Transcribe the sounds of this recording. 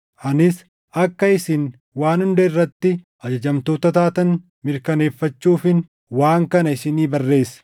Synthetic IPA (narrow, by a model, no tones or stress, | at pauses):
ʔɐnɪs | ʔɐkːɐɪsɪn | waːnhʊnd̪ɐɪrːɐt̪ːɪ | ɐd͡ʒɐd͡ʒɐmt̪oːt̪ɐt̪aːt̪ɐn | mɪɾkɐne̞ːfːɐt͡ʃːuːfɪn | waːŋkɐnɐɪsɪniːbɐrːe̞ːsɐ̥